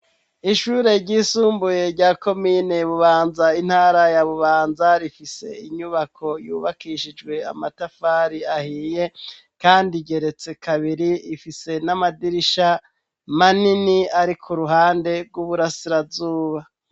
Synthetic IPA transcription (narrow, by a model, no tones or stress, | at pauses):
iʃuːɾe̞ɾɟiːsuːmbuje̞ɾɟaːko̞miːne̞βuβaːnzain̥haːɾajaβuβaːnzaɾifise̞̰iɲuβakʰo̞juːβakiːʃid͡ʒɡwe̞a̰matafaːɾiahiːje̞ | kaːndiɟe̞ɾe̞t͡se̞kʰaβiɾiifise̞namadiɾiʃa | maniniaɾikʰuɾuɦaːnde̞ɡwuβuɾasiɾazuːβa